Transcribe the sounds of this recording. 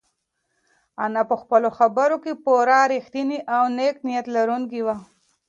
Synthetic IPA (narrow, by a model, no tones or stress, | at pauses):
anapəxpəloxabəɾokepoɾaɾixt̪iniʔawneknijat̪laɾunkiwa